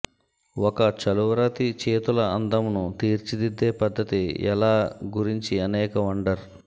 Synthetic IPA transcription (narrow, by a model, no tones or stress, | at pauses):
wɔkɐt͡ʃɐluʋɾɐt̪it͡ʃeːt̪ulɐɐnd̪ɐmnut̪iːɾt͡ʃid̪id̪ːeːpɐd̪ːɐt̪iɛ̰laːɡuɾiɲt͡ʃiɐnɛːkɐʋɐɳɖɐɾ